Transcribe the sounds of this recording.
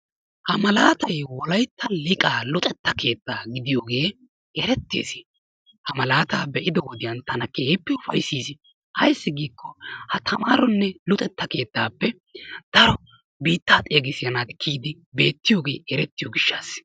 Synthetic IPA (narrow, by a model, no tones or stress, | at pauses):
hɐmɐlaːt̪ɐjwɔlɐjt̪ːɐlɪkʼaːlʊt̪ʼɛt̪ːɐkʰe̞ːt̪ːaːɡɪd̪ɪjoːɡe̞ː | ɛɾɛt̪ːḛːsɪ̥ | hɐmɐlaːt̪aːbɛʔɪd̪ɛwɔd̪ɪjɐnt̪ɐnɐkːepːɪʊfɐ̰jsiːsɪ | hɐjsːɪɡiːkʰːɔhɐt̪ʰɐmaːɾɔnːɛlʊt̪ʼɛt̪ːɐke̞ːt̪ːaːpːɛ | d̪̥ɐɾɔ | biːt̪ːaːt̪ʼeːɡɪsɪjɐnaːt̪ɪkʰiːd̪ɪ | be̞ːt̪ːɪjoːɡe̞ːɛɾɛt̪ːɪjoɡɪʃːaːs